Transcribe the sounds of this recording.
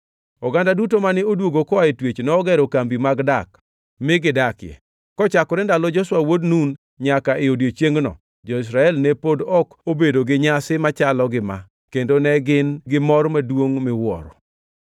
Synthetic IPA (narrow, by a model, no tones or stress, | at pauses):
ɔɡandadutomanɪodwoɡokɔaetwet͡ʃnɔːɡɛɾɔkambimaɡdak | mɪɡɪdakɪjɛ̰ | kɔt͡ʃakɔɾɛndalɔd͡ʒɔswawodnun | ɲakaʔɪodjet͡ʃjeŋɡnɔ̰ | d͡ʒɔis̬ɾaɛlnepodɔkobedoɡɪɲasɪmat͡ʃalɔɡɪma̰ | kendonɛɡɪnɡɪmɔrmadwoŋmɪwɔ̰ɾɔ̰